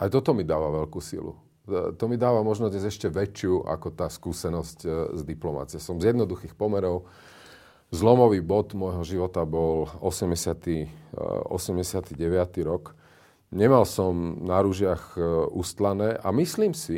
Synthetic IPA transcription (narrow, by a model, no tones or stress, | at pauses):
ajt̪ɔt̪ɔmid̪aːʋaʋɛʎkusḭlṵ | t̪ɔmid̪aːʋamɔʒnɔd̪ɲɛzɛʃcɛʋɛt͡ʃɪuʔa̰kɔt̪aːskuːsɛnɔsczd̪iplɔma̰t͡siasɔmzjɛd̪nɔd̪uxiːxpɔmɛɾɔʊ | zlɔmɔʋiːbɔd̪mɔjɦɔʒiʋɔt̪abɔlɔsɛmɟɛsɪat̪i | ɔ̰sɛmɟɛsɪat̪iɟɛʋɪat̪iɾɔk | ɲɛmalsɔmnaɾuʒɪaxust̪lanɛːʔa̰misliːmsi